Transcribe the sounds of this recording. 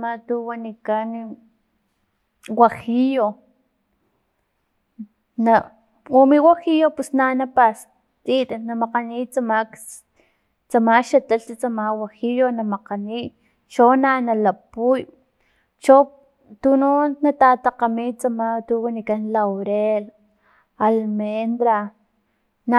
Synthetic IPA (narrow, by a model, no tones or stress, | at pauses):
mat̪uwanikan | waxijo | na | womiwaxijopusnanapas | t͡sit̪anamaqanit͡samak | t͡samaʃat̪aɬt̪at͡samawaxijonamaqaniʔ | ʃonanalapuj | t͡ʃo | t̪ununːat̪at̪aqamit͡samat̪uwanikanlawɾel | almend̪ɾa | na